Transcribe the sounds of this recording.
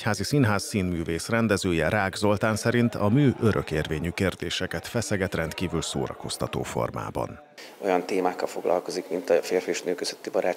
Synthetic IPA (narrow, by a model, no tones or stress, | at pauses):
ɛchaːzisinɦaːsːiːnmyːveːsrɛnd̪ɛzøːjɛɾaːɡzo̞lt̪aːnsɛɾint̪ɒmyːʔøɾʔø̰keːrveːɲykeːrd̪eːʃɛkɛt̪fɛsɛɡɛt̪rɛnt̪kiːvylso̰ːɾɒ̰ko̞st̪ɒt̪o̰ːfo̞̰rma̰ːbɒ̰n | o̞jɒnt̪eːmaːkːɒlfo̞ɡlɒ̰lko̞zikmint̪ɒfeːrfieʃnøːkøz̥øt̪ːibɒɾaː